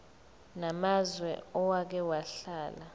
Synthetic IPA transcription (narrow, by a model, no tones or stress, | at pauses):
namazwɛ̰ɔwak̬ɛwaɬaːla